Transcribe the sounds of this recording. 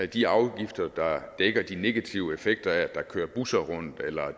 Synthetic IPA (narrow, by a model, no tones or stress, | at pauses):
æd̥iɑ̈ʊɡ̥ifd̥ɐd̥ɑ̈d̥eɡ̥ɐd̥ine̝ɡ̥æt͡sʰiʊəe̝feɡ̥̚d̥ɐædd̥ɑ̈kʰø̰ːɐb̥usɐʁɔ̽n̰d̥elɐ